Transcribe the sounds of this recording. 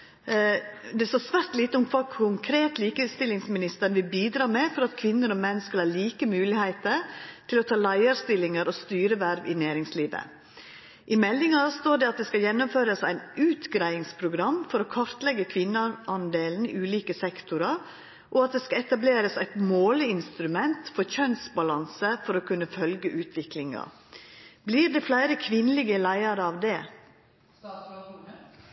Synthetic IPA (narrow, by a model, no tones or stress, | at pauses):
d̪ɛst̪oːsʋæɾt̪liːt̪əʊmkʰʋɑːkʰʊŋkʰɾeːt̪liːkəst̪ɪlːɪŋsmɪnɪst̪əɳʋɪlbiːd̪ɾɑːmɛfɔɾɑt̪kʰʋɪnːəɾɔmɛnskɑlhɑːɭiːkəmʉːlɪhæɪt̪əɾt̪ʰɪlɔt̪ʰɑːlæɪɑɾst̪ɪlːɪŋəɾɔst̪yːɾəʋæɾʋɪnæːɾɪŋsliːʋə̰ | ʔɪmɛlːɪŋɑɾst̪oːɖɛɑt̪̚d̪ɛskɑljɛnːʊmføːɾəsæ̰ɪnʉːt̪ɡɾæɪɪŋspʰɾʊɡɾɑmːfɔɾokʰɔɾt̪lɛɡːəkʰʋɪnːəʔɑnd̪eːln̩ḭːʉːliːkəsɛkt̪ʊɾɑɾ | ʔɔɑt̪̚d̪ɛːskɑɛt̪ɑbleːɾəsæɪt̪moːləɪnst̪ɾʉmɛnt̪fɔɾçœnsbɑlɑnsəfɔɾɔkʰʉnːəfœlɡəʔʉːt̪ʰʋɪklɪŋɑ̰ | bliːɾd̪ɛflæɪɾəkʰʋɪnəlɪɡəlæɪɑɾəɑʋd̪ɛː